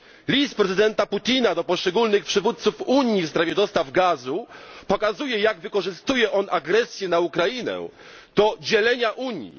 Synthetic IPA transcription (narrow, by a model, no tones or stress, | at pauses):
lʲist̪pɾɛzɘd̪ɛnt̪aput̪ʲinad̪ɔpɔʂt͡ʂɛɡulnɘxpʂɘvut̪̚t̪sufuɲjifspɾavʲjɛd̪ɔst̪avɡazupɔkazujɛjaɡvɘkɔʐɘst̪ujɛʔɔnaɡɾɛsʲjɛnaukɾajinɛ̰ | d̪̥ɔd͡ʑɛlɛɲaʔuɲjḭ